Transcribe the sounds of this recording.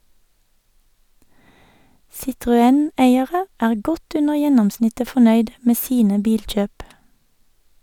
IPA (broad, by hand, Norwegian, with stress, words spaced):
sɪtʁʊˈɛn ˈeɪəʁə ˈæːʁ ˈɡɔt ˈʉnəʁ ˈjɛnɔmˌsnɪtə fɔˈnœʏd ˈmeː ˈsiːnə ˈbiːlˌc͡çøːp